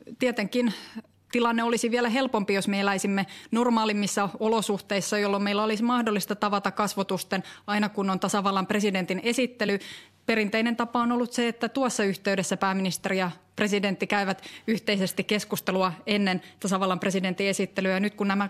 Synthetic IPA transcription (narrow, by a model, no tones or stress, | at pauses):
t̪iæt̪eŋkin | t̪ilɑnːeolisiʋiælæɦelpompijosmeelæisimːenormɑːlimːisːɑolosuht̪eisːɑjolːommeilːæolismɑhdolːist̪ɑt̪ɑʋɑt̪ɑkkɑsʋot̪ust̪enɑinɑkunːont̪ɑsɑʋɑlːɑmpresident̪ine̞sit̪ːely | perint̪einent̪ɑpɑonolːut̪seet̪ːæt̪uɑsːɑyht̪eydesːæpæːminist̪erijɑ | pre̞sident̪ːikæiʋæt̪yht̪eisest̪ikeskust̪eluɑenːent̪ɑsɑʋɑlːɑmpreside̞nt̪ie̞sit̪ːelyjɑnyt̪kunnæmæ